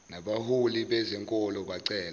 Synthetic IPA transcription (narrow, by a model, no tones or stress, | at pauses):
naɓahuliɓɛzɛŋkʼɔlɔɓaǀɛːla